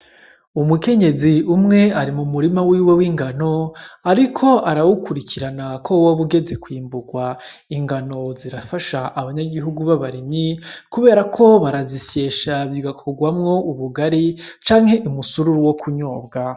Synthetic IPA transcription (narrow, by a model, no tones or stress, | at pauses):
umuke̞ɲe̞ziumŋe̞aɾimumuɾimawiːwe̞wiŋɡano̞aɾikʰo̞ʔaɾawukuɾicʰiɾanakʰowoβuɡe̞ze̞kwiːmbuɡwa | iŋɡano̞ziɾafaʃaʔaβaɲaɡiɦuɡuβaβaɾiɲɲikuβe̞ːɾakʰo̞βaɾazise̞ːʃaβiɡakʰo̞ɡwamŋo̞uβuɡaɾit͡ʃaːŋhe̞ʔumusuɾuɾuwokʰuɲo̞ːbɡa